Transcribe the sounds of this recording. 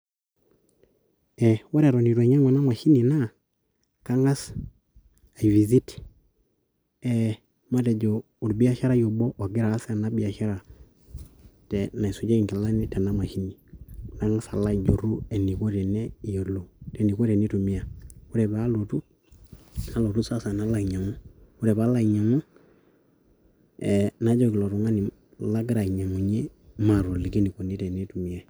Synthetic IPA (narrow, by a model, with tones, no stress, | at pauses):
ɛ˨wo˦ɾe˨ɾo˨ni˨twe˨ɲa˦ŋwa˨na˦ma˨ʃi˦ni˨na˦ | ka˦ŋa˦s | a˨i˨vi˨zi˦t | ɛ˨ | ma˦te˨ɟoː˨ | ɾbi˦a˦ʃa˦ɾa˦jo˨bo˦ʔo˨ɡi˦ɾaː˨˦sna˦bi˦a˨ʃa˦ɾa˨ | tɛ˨na˨i˨su˨ɟe˦i˨ŋke˨la˦ni˦tɛ˨na˦ma˨ʃi˦ni˨na˦ŋa˦sa˨la˦d͡ʒo˨ɾu˦ɛ˨ni˨ko˦tɛ˨nɛ˦˨jo˨lo˨tɛ˨ni˨ko˦ɾɛ˨ni˦tu˨mi˦a˨hu˦ɾɛ˨ba˦lo˨tu˦ | na˦lo˨tu˦sa˦sa˨na˦la˨i˨ɲa˨ŋu˦hu˦ɾɛ˨ba˦la˦˨i˨ɲa˨ŋu˦ | ɛ˨na˦d͡ʒo˦ki˨lɔ˨ɾu˨ŋa˦ni˨ | la˦ɡɾa˨i˨ɲa˨ŋu˨ɲe˦ma˨ɾo˨li˨ɡe˦ni˨ko˨ni˦tɛ˨ni˦tu˨mi˨ɛ˨